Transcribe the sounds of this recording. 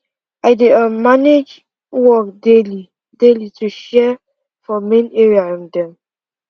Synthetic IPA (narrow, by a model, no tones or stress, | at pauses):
aɪdeəmaned͡ʒ | wɔk̚deli | delitʰuʃɛ | fɔmẽneɹiaɹɔ̃mdɛ̃m